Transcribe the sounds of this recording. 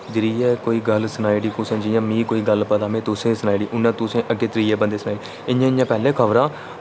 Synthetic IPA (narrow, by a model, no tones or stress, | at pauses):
d͡ʒɪɾiːɛːkoːiːɡəlsənaːiɽiːkʊːsə̃ːd͡ʒijãːmĩːkoːiːɡəlpət̪aːmẽːt̪ʊsẽːsənaːiɖiːʔʊnːãːt̪ʊsẽːʔəɡːeːt̪ɾiːɛːbə̃nd̪eːsənaːɖi | ɪjãːɪjãːpɛːlẽːkʰəʋɾãː